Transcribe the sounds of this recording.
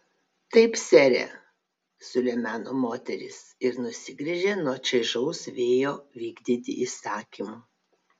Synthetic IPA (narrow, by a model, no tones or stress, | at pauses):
t̪ɐɪpsʲɛɾʲḛ | sʊlʲɛmʲæːnoːmoːt̪ʲɛɾʲɪsɪɾnʊsʲɪɡɾʲɛʒʲeːnoːt͡ʃʲɛɪʒɐʊsʋʲeːjoːʋʲiːɡd̪ʲit̪ʲɪ̰ʔisɑːkʲimu